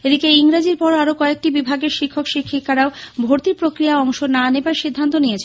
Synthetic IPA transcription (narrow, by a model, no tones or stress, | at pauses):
ed̪ikeiŋɾad͡ʑiɾpɔɾaɾokɔek̚ʈibibʱaɡeɾʃikʰːokʃikʰːikʰːaɾaobʱoɾt̪iɾpɾokɾijaɔŋʃonanebaɾʃid̪ʱːant̪onijet͡ɕʰe